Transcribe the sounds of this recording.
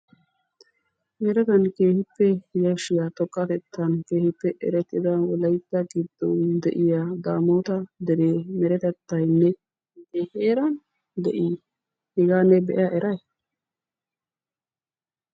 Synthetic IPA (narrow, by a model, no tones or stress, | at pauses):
mɛɾɛt̪ɐnkeːhɪpːɛhɪjɐʃɪjɐt̪ɔkʼːɐt̪ɛt̪ʰːɐnkeːhɪpːɛʔɛ̰ɾɛt̪ːɪd̪ɐwɔlɐjt̪ːɐɡɪd̪ːɔd̪ɛʔɪjad̪aːmoːt̪ɐd̪ɛɾeːmɛɾɛt̪ɛt̪ːɐjnːɛ | ɡ̪ɛheːɾɐn | d̪ɛʔi | hɪɡaːnɛbɛ̰ʔjaʔɛɾʔɐj